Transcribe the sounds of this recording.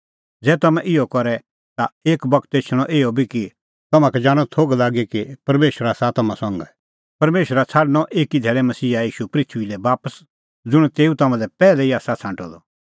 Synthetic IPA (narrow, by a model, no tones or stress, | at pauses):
d͡zɛːt̪ɐmɛ̃ʔɪɔkɔɾɛ | t̪aeːkbɐkʰt̪eːt͡ʃʰəɽ̃ɔʔeːɔbʱiki | t̪ɐmãkɛd͡ʒaːɽ̃ɔt̪ʰoːɡlaːɡekipɐɾmeːʃɾasat̪ɐmãsɔ̃ːŋɡɛ | pɐɾmeːʃɾat͡sʰaːɖñɔʔeːkid̪ʱɛːɾɛmɐsiːajiːʃupɾɪt̪ʰʋilɛbaːpəs | d͡zʊɽ̃t̪eːũt̪ɐmãlɛpɛːlɛiaːsat͡sʰãːɳʈɔd̪ɔ